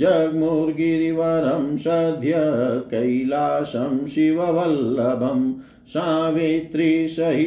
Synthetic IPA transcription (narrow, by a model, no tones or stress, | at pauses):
d͡ʒɐɡmuɾɡiɾiʋɐɾɐmʃɐd̪ʱjɐkɐjlaːsɐmʃiʋɐʋɐlːɐbʱɐm | saːʋet̪ɾiːsɐɦi